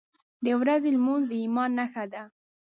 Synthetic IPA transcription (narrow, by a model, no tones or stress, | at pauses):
d̪əwɾazelmunzd̪əimɑnːaxad̪a